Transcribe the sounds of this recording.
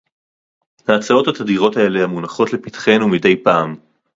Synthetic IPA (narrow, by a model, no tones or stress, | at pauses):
maːt͡sao̞that̪adiʁo̞tae̞lehamunaχo̞tle̞pitχe̞numide̞jpaːm